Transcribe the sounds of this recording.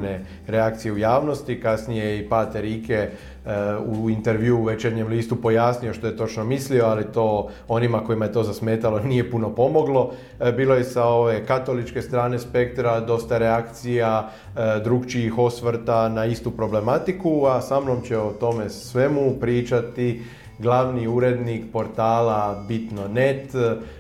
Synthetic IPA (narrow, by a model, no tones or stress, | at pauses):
ne | ɾe̞akt̪sije̞ujaːʋno̞st̪ikasnijeipaːt̪eɾiːkʰe | uint̪e̞ɾʋjuuʋet͡ʃeɾɲe̞mliːst̪upo̞jasnijo̞ʃt̪o̞je̞t̪o̞t͡ʃno̞mislio̞alit̪o̞ː | o̞nimako̞imaje̞t̪o̞ːzasme̞ːt̪alo̞nije̞puno̞po̞mo̞ɡlo̞ | biːlo̞jesao̞ʋe̞kat̪o̞lit͡ʃke̞st̪ɾaːne̞spe̞k̚t̪ɾad̪o̞st̪aɾeakt̪sija | d̪ɾuɡt͡ʃiːxo̞sʋɾt̪anaist̪upɾo̞ble̞mat̪ikuasamno̞mt͡ɕeot̪o̞me̞sʋe̞mupɾiːt͡ʃat̪i | ɡlaʋniuɾe̞d̪nikpo̞ɾt̪aːlabit̪no̞ne̞t̪